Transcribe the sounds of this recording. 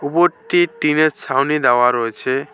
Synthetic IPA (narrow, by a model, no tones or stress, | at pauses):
ubɔʈiʈineɾsʰawnid̪awaɾɔet͡ʃʰe